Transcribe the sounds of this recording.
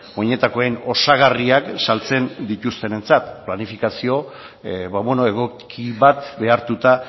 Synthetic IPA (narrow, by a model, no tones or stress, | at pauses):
oɲe̞t̪ako̞eno̞saɣariaksalt͡se̞nd̪it̪ust̪e̞ne̞nt͡sat̪planifikasio̞ | βaβe̞no̞e̞ɣ̞o̞kkʰiβat̪be̞aɾt̪ut̪a